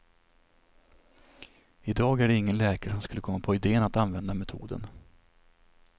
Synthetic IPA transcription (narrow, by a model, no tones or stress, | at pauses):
ɪd̪ɑːɡæɖɛɪŋːənlɛːkaɾəʂɔmskɵlːəkʰɔmːapʰɔɪd̪eːənat̪anvɛnd̪amɛt̪ʰṵːd̪ə̰n